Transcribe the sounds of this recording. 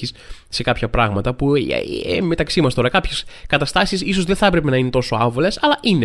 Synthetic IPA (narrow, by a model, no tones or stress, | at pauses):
isse̞kɐpçɐpɾɐɣmɐt̪ɐpṵeme̞t̪ɐksimɐst̪o̞ɾɐkɐpçeskɐt̪ɐst̪ɐsisiso̞zðeθɐpɾe̞pe̞nɐine̞t̪o̞soɐvole̞sɐlɐʔine